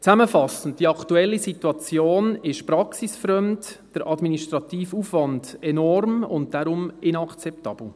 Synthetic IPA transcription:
t͡sæməfɑsən̩t̚d̥iɑktuɛlːisituɑt͡sjoːnɪʃpɾɑksisfɾœmtd̥əɾʔɑdminiʃtɾɑt̪iːfuːfʋɑnd̥ɛnɔrmʊ̰nt̚d̥aɾʊmɪnɑkt͡sɛptɑːb̥l̩ˠ

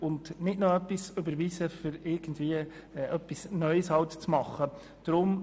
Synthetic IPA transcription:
ʊndnɪdnoœpːisʏbəɾʋisəfʏɾɪɾɡ̥ən̩dviəʔœpːisnœʏshɑwtt͡smɑχːə | d̥ɾʊm

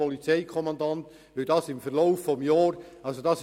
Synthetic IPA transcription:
ɔlit͡sɛɪkʰɔmɑndɑnt | ʋɪd̥ɑːsɪmfəɾloʊfːɔmjɑːɾɑlsod̥ɑs

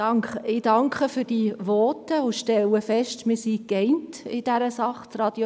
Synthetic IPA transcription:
ɑŋkχəɪd̥ɑŋkχəfyːɾd̥iʋɔtəʊʃtɛlːəfɛʃtmɪːsikɛɪntɪd̥æɾəsɑχtrɑd̥jo

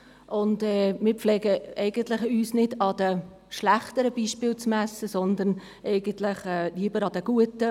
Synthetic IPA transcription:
ʔʊndɛːmɪːɾpflɛːɡəɛɪɡ̥əntlɪχyːsnɪdɑd̪̥ə | ʃlæχt̪əɾəbiːʃpɪːlt͡smæsːəsɔnd̪ən | ʔɛɪɡ̥əntlɪχɛːliːəbəɾɑd̥̪əɡ̥uətə

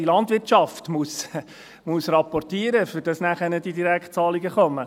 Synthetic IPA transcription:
ilɑndʋɪtʃɑftmus | musrɑpɔrtiːəɾəfʏɾd̥ɑsnæχənəd̥idiɾækt̚t͡sɑːliɡəχɔmə

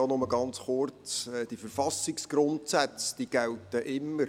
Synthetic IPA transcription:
onʊməɡɑnt͡sχʊrt͡sɛd̥ifəɾfɑsiksɡ̥ɾʊntsæt͡sd̥iːɡ̥æltəʔɪmːəɾ

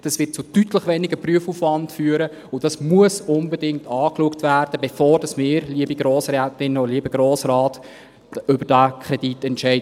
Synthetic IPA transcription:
d̥ɑsʋɪt̚t͡sʊtytləχʋɛːnɪɡəpryəfufvɑndfyːəɾə | ʊd̥ɑsmuəsʊnbɛdɪŋtɑːkluəktvæːrd̥əbefoːɾd̥ɑsmɪːɾliəbiɡɾoːsrɛːtɪnɔliəbəɡɾoːsrɑːt | ʏbəɾd̥ækʰɾɛditɛntʃɛɪd

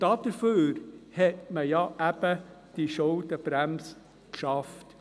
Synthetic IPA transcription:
d̥ɑd̥əɾføːɾhɛtməjɑʔæb̥ə | d̥iʃɔltəb̥ɾæms | kʃɑft

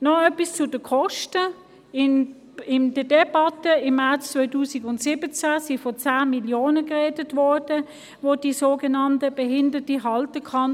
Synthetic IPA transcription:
nɔœpist͡sʊd̥əkʰɔʃtə | ɪn | ɪnd̥ədɛbɑtəɪmːɛt͡st͡svɔɪtuːsiɡʊntsɪbət͡sasɪfɔt͡saːmiljoːnəkʁedətvɔːʁd̥ə | ʋodiːsoːɡənɑntəb̥ɛɦɪndətiɦɑltəkʰɑn

